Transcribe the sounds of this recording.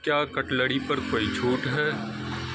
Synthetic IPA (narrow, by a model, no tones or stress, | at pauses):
kjaːkɐʈləɽipɐɾkoːit͡ʃʰuːʈɦɛː